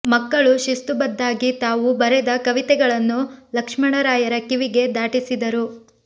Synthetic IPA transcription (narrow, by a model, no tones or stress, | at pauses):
mɐkːɐɭuʃist̪ubɐd̪ːaːɡit̪aːʋubɐɾɛd̪ɐkɐʋit̪ɛɡɐɭɐnːulɐkʂmɐɳɐɾaːjɐɾɐkiʋiɡe̞d̪aːʈisid̪ɐɾu